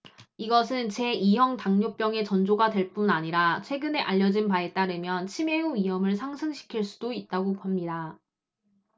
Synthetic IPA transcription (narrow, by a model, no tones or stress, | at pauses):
iɡʌsʰɯnt͡ɕe̞iɦjʌŋtaŋɲop͈jʌŋe̞t͡ɕʌnd͡ʑoɡadwe̞ɭp͈unaɲiɾat͡ɕʰwe̞ɡɯne̞ʔaʎːʌd͡ʑinpae̞t͈aɾɯmjʌnt͡ɕʰime̞uɥiɦʌmɯɭs̬ʰaŋsʰɯŋɕʰi̥kʰiɭs͈u̥doit̚t͈aɡoamɲida